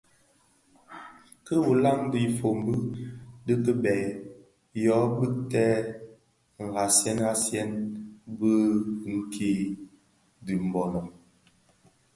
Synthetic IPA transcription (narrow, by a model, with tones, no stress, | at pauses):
kə˦wu˨la˦ŋdi˦˨fo˨mbə˦də˦kə˦bɛ˨ | jɔ˨˦bə˦tɛː˦˨ | ŋ̩˨ɡa˨sjɛ˦na˦sjɛ˦nbə˦ŋ̩˨kʰe˦ | di˨m̩˨bɔ˨nɔ˨